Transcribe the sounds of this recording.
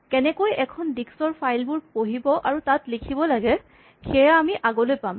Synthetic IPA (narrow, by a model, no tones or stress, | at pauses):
kɛnɛkojɛkʰɔndiksɔɹpʰajlbʊɹpoɦibɔʔaɹutatlikʰibɔlaɡɛ | xɛjaːmiʔaɡɔlojpam